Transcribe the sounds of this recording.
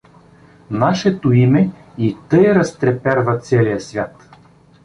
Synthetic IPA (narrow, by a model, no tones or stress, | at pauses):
naʃɛt̪oimɛit̪ɤjɾɐst̪ɾɛpɛɾvɐt̪sɛlijəsvʲjat̪